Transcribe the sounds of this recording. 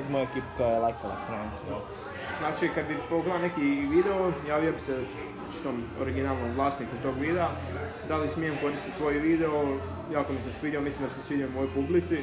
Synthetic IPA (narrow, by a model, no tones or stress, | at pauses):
mojekiːpu̥t̪oelajkola̰st̪ɾanit̪sa | znaːt͡ʃikad̪bipoɡleonekiʋid̪eojaːʋijobise | t͡ʃi̥t̪omoɾiɡinalˠnomʋlˠaːsnikut̪o̞ːɡʋiːd̪ea | d̪alismijemko̞ɾist̪it̪t̪ʋo̞ːjʋiːd̪eo | jaːkomisamsʋiːd̪ʲjaomislimd̪abisesʋiːd̪ʲjaoumojojpublit̪si